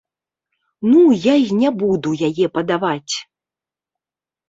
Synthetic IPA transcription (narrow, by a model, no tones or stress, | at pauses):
nujainʲɛbud̪ujajɛpɐd̪avat͡sʲ